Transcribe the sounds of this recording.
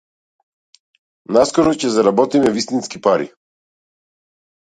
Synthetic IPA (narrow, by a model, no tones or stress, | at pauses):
naskɔɾɔcɛzaɾabɔt̪imɛvist̪inskipaɾḭ